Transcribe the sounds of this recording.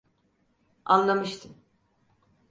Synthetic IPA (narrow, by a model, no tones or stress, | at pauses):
anlˠamɯʃt̪ʰɯm